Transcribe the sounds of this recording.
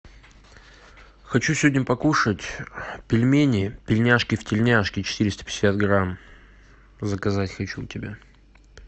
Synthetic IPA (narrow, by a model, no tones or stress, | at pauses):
xɐt͡ɕusʲvʲodʲnʲəpɐkuʂətʲpʲɪlʲmʲenʲɪpʲɪlʲnʲaʂkʲɪftʲɪlʲnʲaʂkʲɪt͡ɕɪ̥t̪ɨɾʲɪst̪ə̥pʲɪ̥sʲsʲat̪̚ɡɾam | zəkɐzatʲxɐt͡ɕutʲɪbʲa